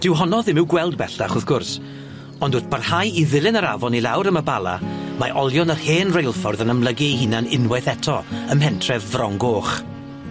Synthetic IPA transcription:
d̥ɪwɦɔnɔðɪmɪwɡwɛlˠdbɛɬd̥aχʊðɡ̥ʊrs | ɔndʊtb̥arhajiðɪlˠɪnəɾavɔnilˠawɾəməbalˠa̰maʔɔlˠjɔnərheːnrejlˠfɔrðənəmlˠəɡiɦɪnanɪnwɛθɛtʰɔəmhɛntʰrɛvvrɔŋɡoːχ

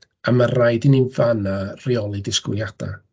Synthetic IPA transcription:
amarajdininvanariɔlˠidɪskɪ̰ljad̥a̰

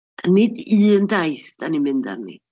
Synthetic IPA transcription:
anɪdiːəndajθd̥animɪnda̰rnḭ

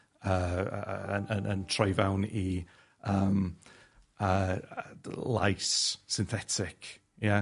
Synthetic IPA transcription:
əːəənənəntʰrajvawni | əːm | əː | lˠa̰jsːɪnθɛtʰɪkʰ | ja

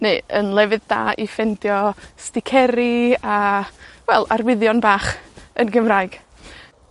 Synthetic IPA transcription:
neːənlˠɛvɨðda̰ːʔifɛndjɔstɪkʰɛɾiawɛlˠa̰rwɪðjɔnbaːχənɡəmraːɨɡ̥

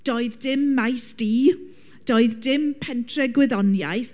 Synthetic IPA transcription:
d̥oːɨðdɪmːajsd̥iː | d̥oːɨðdɪmpʰɛntʰrɛɡwɛðɔnja̰jθ

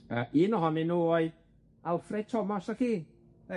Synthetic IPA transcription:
əiːnɔɦɔnɪnːuːɔɨð | alfrɛd̥̚tʰɔmɔsaxiː

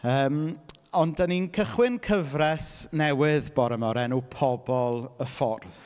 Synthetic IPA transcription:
əːm | ɔndəninkʰəχwɪnkʰəvrɛsnɛwɪðb̥ɔɾəmɔɾɛnupʰɔbɔlˠəfɔrð

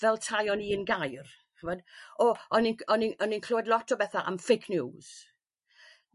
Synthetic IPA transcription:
vɛlˠtʰajɔniːənɡajr | həvɔdɔɔninɔninɔninkʰl̥oːɛdlˠɔtʰɔbɛθaʔa̰mfekʰnuːz̥

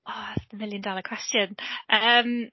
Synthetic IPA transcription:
ɔəmɪljəndalˠəkʰw̥ɛstjənʔəm

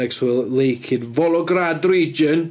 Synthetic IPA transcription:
ɛɡswɪlˠlˠejkʰɪdvɔlˠɔɡradriːd͡ʒən

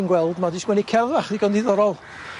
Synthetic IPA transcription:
nɡwɛlˠdmadiswɛnikʰɛðaχðiɡɔndɪðɔɾɔlˠ

